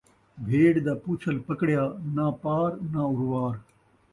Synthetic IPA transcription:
bʱeːɽd̪aːpuːt͡ɕʰɐlpɐkɽjaːnãːpaːɾnãːʊɾwaːɾ

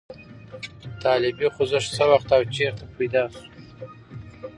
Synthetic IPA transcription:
t̪ɑlɪbixʊzəʂsəwaxt̪awt͡ʃeɾt̪apʰajd̪ɑsu

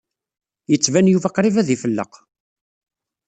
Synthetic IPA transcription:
jət͡sːvænjuvæqɾivæðifəlːə̰q

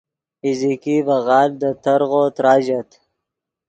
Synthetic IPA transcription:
izikibɐɣɑːld̪ət̪ɐɾɣoːt̪ɾaːʑɐt̪

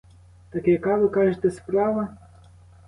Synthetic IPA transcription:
t̪ɐkjɐkɑʋɪkɑʒet̪ɛspɾɑʋɐ

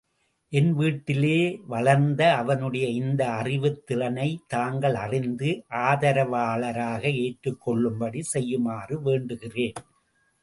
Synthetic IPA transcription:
ʔɛnʋiːʈːɪleːʋɐɭɐɾnd̪ɐːʋɐnɯɽɐjɐɪnd̪ɐːrɪʋɯt̪ːɪrɐnɐɪt̪aːŋɡɐɭɐrɪnd̪ɯʔaːðɐɾɐʋaːɭɐɾaːɣɐeːʈɾɯkːɔɭːɯmbɐɽisɛjːɯmaːrɯʋeːɳɖɯɣɪreːn

